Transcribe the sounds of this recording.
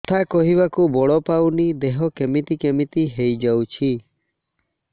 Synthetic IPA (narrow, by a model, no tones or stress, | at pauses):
t̪ʰakɔɦiβakubɔɭɔpawnid̪eɦɔkemit̪ikemit̪iɦejd͡ʒawt͡ʃʰi